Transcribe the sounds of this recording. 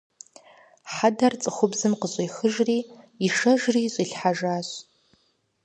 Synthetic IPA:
ħadɐrt͡sʼɨχʷʊbzɨmqəɕʼiːxɨʒriː | iʂɐʒriːɕʷʼiɬħaʒaːɕʼ

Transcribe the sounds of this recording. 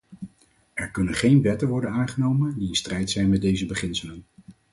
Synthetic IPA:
ɛɹkɵnənχejnʋɛtənʋɔɹdənaːnχənowməndiɪnstrɛjtsɛjnmɛdejzəbəχɪnsələn

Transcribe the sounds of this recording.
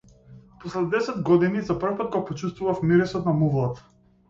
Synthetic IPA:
pɔslɛd̪ɛsɛd̪ɡɔd̪inizapr̩fpat̪̚ɡapɔt͡ʃust̪vuvafmiɾɛsɔt̪namuvlˠat̪

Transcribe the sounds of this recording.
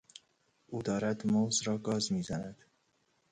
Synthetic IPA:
ʔuːd̪ɒːɾæd̪mozɾɒːɡɒːzmiːzænæd̪̥

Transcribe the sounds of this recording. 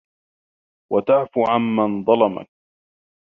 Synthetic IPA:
wat̪aʕfuːʕanːanðˤɑlɑma̰k̚

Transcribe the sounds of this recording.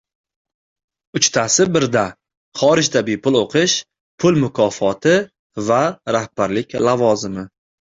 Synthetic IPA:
ʊt͡ʃt̪ʰasɪbɪɾd̪a | χɒɾɪd͡ʒt̪ʰabipʰʊlˠoqʰɨʃ | pʰʊlmʊkʰɒfɒt̪ʰɪ | vaɾahb̥aɾlɪkʲlavɒzɪmɪ

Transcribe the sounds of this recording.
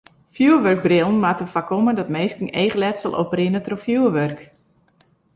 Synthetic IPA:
fjuəʋørk̚brɪlˠn̩matəfakomədɔtmeːskəŋeːɣəlɛtsəlˠʔo̰prɪnətrofjuəʋørk

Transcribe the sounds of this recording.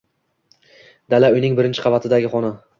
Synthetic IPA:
d̪alaʊjnɪŋbɪɾɪnt͡ʃʰɪ̥qʰɑvat̪ʰɪd̪aɡʲɪχɒnɪ

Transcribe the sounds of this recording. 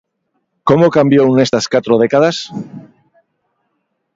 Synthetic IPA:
komokambjownest̪askat̪ɾoð̞ekaðas

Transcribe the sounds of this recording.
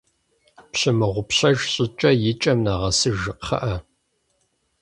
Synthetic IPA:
pɕɪmɨʁʷʊpɕɐʒɕʼɪt͡ʃʼɐjɪt͡ʃʼɐmnaːʁɐsɨʒɨqχɐ̰ʔɐ

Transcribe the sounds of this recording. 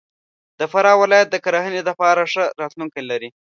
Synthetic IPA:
d̪̥əfaɾɑwɪlɑjat̪̚d̪əkaɾaɦəned̪apɑɾaʂəɾɑt̪luŋkajlaɾi

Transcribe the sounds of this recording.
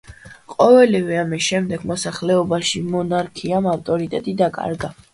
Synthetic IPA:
qʼɔvɛlivɛamisʃɛmd̪ɛɡmɔsaχlɛɔbaʃimɔnaɾkʰiamaft̪ʼɔɾit̪ʼɛt̪ʼid̪akʼa̰ɾɡa

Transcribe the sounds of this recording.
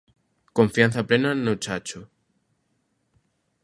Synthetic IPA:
koɱfjan̟θaplenanot͡ʃat͡ʃo

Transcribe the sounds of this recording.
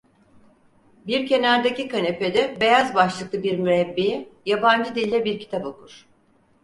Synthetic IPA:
biɾcʰe̞næɾd̪ecikane̞pe̞d̪ɛbe̞jazbaʃlˠɯklˠɯbiɾmyɾɛbːejijaband͡ʒɯd̪ilʲɛbiɾcʰi̥t̪ʰapokʰuɾ̥

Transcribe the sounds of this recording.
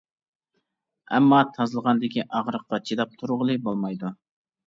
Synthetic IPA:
ɛmːɑt̪ʰɑzɨlˠəʁɑnd̪ɪkʲʰiʔɑʁɾəq̚ːɑt͡ʃʰid̪ɑp̚t̪ʰuɾʁəlˠɨbolˠmɑjd̪u

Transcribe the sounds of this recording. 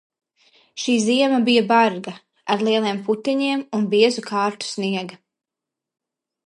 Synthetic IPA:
ʃiːziɛmɐbijabaɾɡa | aɾlˠiɛlˠiɛmput̪iɲiɛmunbiɛzukʰaːɾt̪u̥sniɛɡɐ

